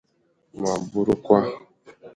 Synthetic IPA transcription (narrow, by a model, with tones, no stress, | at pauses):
ma˨bu˦ɾu˦kʷa˦